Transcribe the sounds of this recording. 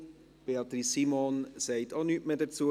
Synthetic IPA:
b̥eɑt̪ɾisimonsɛɪtʰɑnytmeːdɛt͡su

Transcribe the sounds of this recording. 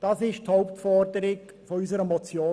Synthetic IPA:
d̥ɑːsɪʃthɔʊptfɔrdəɾɪɡ | fɔysəɾəmɔt͡sjoː

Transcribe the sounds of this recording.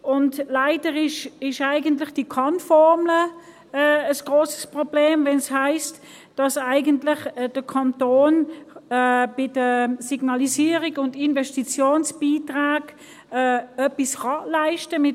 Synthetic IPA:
ʔʊntlaɪdəʁɪʃɪʃaɪɡəntlɪχd̥ikʰɑnfɔʁmləː | əsɡ̥ʁoːsə̥spʁob̥leːmvɛnshaɪst | d̥ɑsaɪɡəntlɪχd̥əkʰɑntoːn | b̥ɪd̥əsiɡnɑlisiːəʁiɡʊndɪnvɛʃtit͡sjoːnsb̥iːtʁaːɡ̥ | ɛœpisχɑlaɪʃtəmɪ

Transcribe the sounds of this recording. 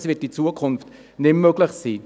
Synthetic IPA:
sʋɪtit͡suəkʰʊnft | nɪmmøɡlɪχsiː

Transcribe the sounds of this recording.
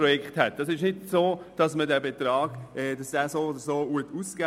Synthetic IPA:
ɾɔjɛkχthɛt̚d̥ɑsɪʃnɪdsoːd̥ɑsmədɛbet̪ɾɑːɡ̥ɛd̥sɛːsoːodəsoːuətuska

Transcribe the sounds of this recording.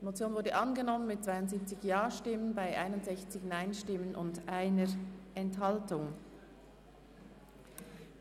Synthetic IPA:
d̥imot͡sjoːnvʊɹdəʔɑnɡənɔmənmɪt̚t͡svaɪʊntz̥iːp̚t͡sɪçjaːʃtɪmənbaɪʔaɪnʊntz̥ɛçt͡sɪçnaɪnʃtɪmənʔʊ̰ndʔaɪnəɹɛnthɑltʊŋ

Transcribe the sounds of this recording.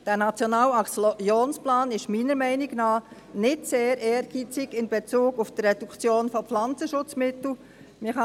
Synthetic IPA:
d̥æːnɑt͡sjɔnɑːlɑksjoːnsplɑːnɪʃmiːnəɾmɛɪnɪɡnɑː | nɪtseːɾɛːɾɡ̥iːt͡sɪɡɪnb̥et͡suːɡufd̥əːɛd̥ukt͡sjoːnfɔpflɑnt͡səʃʊt͡smɪtl̩ | mɪhɑ

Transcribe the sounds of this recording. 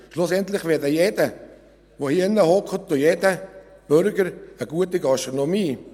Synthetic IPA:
ʃlʊsɛntlɪχvʋedəjedə | ʋohiənəhɔkχətojedəb̥ʏɾɡəɾəɡuətiɡɑʃtʁonomiː

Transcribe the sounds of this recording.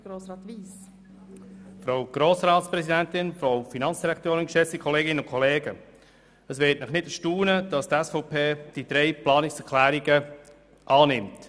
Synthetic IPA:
ɡ̥oːsɾɑːtʋiːs | fɾawɡ̥ɾoːsɾɑːtspɾɛsidɛntɪnfɾaʊfinɑnt͡ssd̥iɾɛkt̪oːɾɪnkʃɛt͡stikʰɔleːɡɪnəʊnkʰɔleːɡə | əsʋɪtnɪχnɪtəʃtuːnəd̥ɑstɛsfɔʊpʰeːd̥id̥ɾeɪplɑːnɪksɛɾkʰlæːɾiɡə | ʔɑːnɪmt

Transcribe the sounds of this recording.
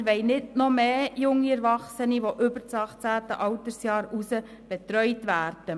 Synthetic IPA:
ʋɛɪnɪdnɔmeːjʊŋːiɛɾvɑχsəniʋoʔʏbəɾt͡sɑχt͡sæːtə̰ʔɑwtəɾsjɑːɾusə | b̥ɛt̪ɾœʏtʋæːɾd̥ə

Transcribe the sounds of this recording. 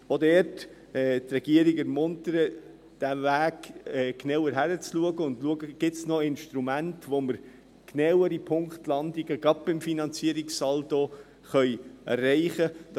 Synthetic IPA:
odɛɾt | ɛːtrɛɡ̥iəɾɪɡɛɾmʊntəɾə | d̥ævæːɡɛːknawəɾɦæɾət͡sluəɡəʊndluəɡəɡ̥ɪtsnɔɪnʃtɾumæntʋoməɾ | knɛwəɾipʰʊŋkχtlɑndiɡəɡ̥ɑp̚b̥ɪmfinɑnt͡siəɾiksɑlto | χœʏɛ̰rːɛɪχəd

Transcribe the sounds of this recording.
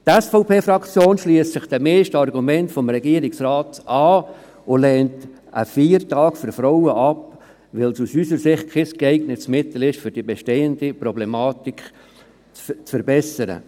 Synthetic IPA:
tɛsfoʊpʰeːfɾɑkt͡sjoːnʃliəstt͡sɪχd̥ɛmɛːʃtəɑrɡumɛntfɔmɾɛɡiəɾiksɾɑːtʔɑː | olɛːnt | ʔə̰fiːɾtɑːkfʏɾfɾowəʔɑp | ʋɪlsusysəɾsɪχt̚kʰeskɛɪɡnətsmɪt̪l̩ɪʃfʏɾd̥ibɛʃteːəndipɾɔblemɑːtikχ | t͡st͡sfəɾbɛsəɾə̰

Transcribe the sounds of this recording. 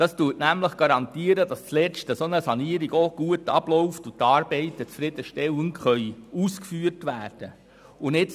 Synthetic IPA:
d̥ɑstutnæmləχɡ̥ɑɾɑnt̪iəɾədɑst͡slɛt͡ʃtəsonəsɑniəɾiɡoɡ̥uətɑ̰b̥lɔwftut̪ɑːɾb̥ɛɪtət͡sfɾɪd̥̪əʃtɛləŋχœʏuːskfyːərtʋæːrd̥ə | ʊnɪt͡s

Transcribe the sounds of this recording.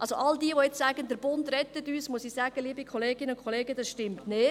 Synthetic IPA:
ɑlsoʔɑldiːəʋoɛt͡ssæːɡ̥əndəɾb̥ʊndɾɛtətyːsmuəsiːsæːɡ̥əliːbikʰχɔleːɡɪnəʊnkʰχɔleːɡədɑsʃtɪmtneː

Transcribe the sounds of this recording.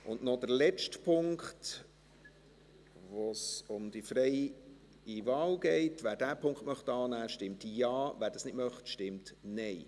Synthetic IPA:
ʊndnɔd̥əɾlɛt͡ʃtpʰʊŋkt | ʋosʊmd̥̪ifɾɛɪ | ivɑːlɡ̥ɛɪtʋæːɾdæːpʰʊŋkχtmœχtɑːnæːʃtɪmtjɑːʋæːɾdɑsnɪdmœχtʃtɪmtnɛɪ

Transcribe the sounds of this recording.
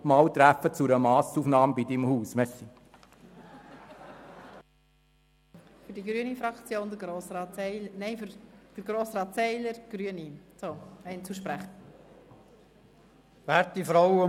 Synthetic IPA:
mɑːwt̪ɾæfət͡suɾəmɑːsufnɑːmbid̪ɪmhuːsmɛsi | fyɾdiɡɾyənifɾɑkt͡sjoːndəɾɡɾoːsɾɑːtɛɪnɛɪfɾd̥əɾɡɾoːsɾɑːtsɛɪləɾɡ̥ɾyənit͡soːɛɪnt͡suʃpɾæχ | væːɾt̚ːifɾɔwə

